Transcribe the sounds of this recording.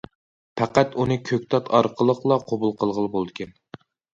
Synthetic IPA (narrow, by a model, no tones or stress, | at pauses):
pʰæqæt̪unɨkʲʰøkʲt̪ʰɑt̪ʰɑɾqʰəlˠəqlˠɑqʰobulˠqʰəlˠʁəlˠɨbolˠd̪ɨkʲɛn